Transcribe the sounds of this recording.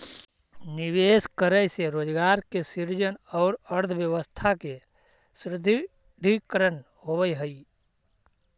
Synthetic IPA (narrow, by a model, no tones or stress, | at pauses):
niʋeːskəɾəjseɾoːd͡ʒɡaːɾkesiɾd͡ʒənɔʊɾəɾd̪ʰʱwjəwəst̪ʰake | sɾɪd̪ʱ | d̪ʱikəɾən | hobəjɦəi